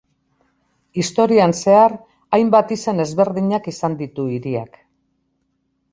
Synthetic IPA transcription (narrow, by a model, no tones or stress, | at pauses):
ist̪o̞ɾianse̞aɾ | ajmbat̪ise̞ne̞zβe̞ɾðiɲakisand̪it̪uiɾia̰k